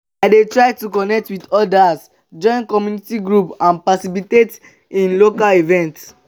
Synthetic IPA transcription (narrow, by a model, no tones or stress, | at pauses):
aɪdetɹaɪtukɔnɛk̚twidɔdas | d͡ʒɔ̃ɪ̃nkɔmjunitiɡɹupãnpasibitet | ĩnlokalivɛ̃nt